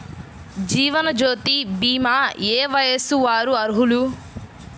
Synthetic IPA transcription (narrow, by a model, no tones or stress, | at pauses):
d͡ʒiːʋɐnɐd͡ʒoːt̪ibiːmaːeːʋɐjɐsuʋaːɾuɐɾɦulu